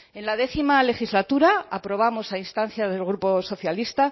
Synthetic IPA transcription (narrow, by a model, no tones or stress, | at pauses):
e̞nlað̞e̞θimale̞xizlat̪uɾaapɾo̞β̞amo̞sainst̪an̟θjazðe̞lɣ̞ɾupo̞so̞θjalist̪a